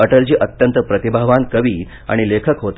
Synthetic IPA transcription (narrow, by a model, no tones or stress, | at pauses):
əʈəld͡ʑiːʔət̪jənt̪əpɾət̪ibʱaʋankəʋiː | a̰ɽ̃ilekʰəkɦot̪